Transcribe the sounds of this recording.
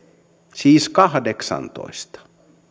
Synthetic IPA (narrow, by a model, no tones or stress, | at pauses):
siːskɑhdeksɑ̰nt̪o̰ist̪ɑ̥